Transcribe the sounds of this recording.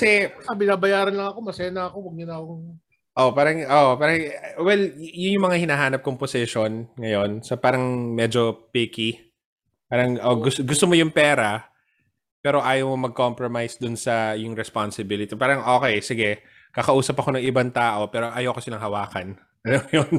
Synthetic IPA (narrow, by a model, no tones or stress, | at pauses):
kɐsɛpɐɐbɪnaːbɐjaːɾɐnlɐŋɐko̞mɐsɛːnɐɐkowɐɡ̚nɪnaːkoŋ | ʔopaːɾɐŋʔoːʔopaːɾɐŋwɛljʊnjʊŋmɐŋahɪnaɦaːnɐp̚koŋposɛʃo̞nŋɐjo̞nsɐpaːɾɐŋmɛːd͡ʒo̞piki | paːɾɐŋʔoɡʊɡʊst̪omojʊŋpɛːɾɐ | pɛːɾo̞ʔaːjowmomɐɡ̚kompɾomajsd̪ʊnsɐjʊŋɾɛsponsɪbilɪt̪ipaːɾɐŋʔo̞ːkɛjsɪɡɛ | kɐkɐʔuːsɐpɐko̞nɐŋʔɪbant̪aːʔo̞pɛːɾo̞ʔɐjowkosɪlɐŋɦɐwaːkɐn | ɐnojon